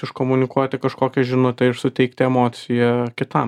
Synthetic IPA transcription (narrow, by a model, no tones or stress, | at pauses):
ɪʃkoːmʊnʲɪkuɔt̪ʲɪkɐʃkoːkʲɛʒʲɪnʊt̪ʲɛɪʃsʊt̪ʲɛɪkt̪ʲɛɛmoːt̪sʲɪjɛkʲɪt̪ɐm